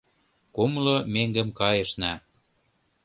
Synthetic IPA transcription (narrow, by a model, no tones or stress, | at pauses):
kumlomeŋɡə̆mkɑjə̆ʃnæ